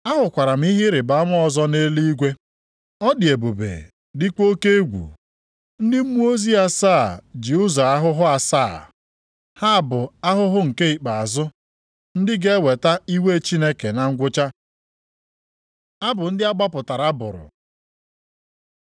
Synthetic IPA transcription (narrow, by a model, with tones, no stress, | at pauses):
a˦ɦʊ˨kʷa˨ɾa˨m̩˦i˦ɦɪ˦ɾɪ˨ba˨˦m˦ɔ˨zɔ˦ne˦li˦i˦ɡʷe˦ | ɔ˦dɪ˨e˨bo˨bḛ˨ | dɪ˦ko˦ke˦ɡʷṵ˨ | n̩˦dɪ˦m̩˦mu˦o˦zi˦a˦saː˦˨d͡ʒi˨ʊ˦za˨a˦ɦʊ˦ɦʊ˦a˨saː˦˨ | ha˦˨bʊ˨a˦ɦʊ˦ɦʊ˦ŋ̩˨ke˦i˨k͡pa˨a˨zʊ˦ | n̩˦dɪ˦ɡe˦we˨ta˦i˦we˦˨˦t͡ʃi˦ne˦ke˨na˨ŋ̩˦ɡʷʊ˦t͡ʃa˦ | a˦bʊ˨n̩˦dɪ˦a˦ɡ͡ba˦pʊ˨ta˨ɾa˦bʊ̰˨ɾʊ̰˨